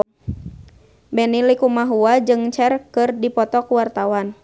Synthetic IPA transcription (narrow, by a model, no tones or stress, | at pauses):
bɛnilikumaɦuad͡ʒɨŋt͡ʃɛrkɨrdipɔt̪ɔkuwart̪awan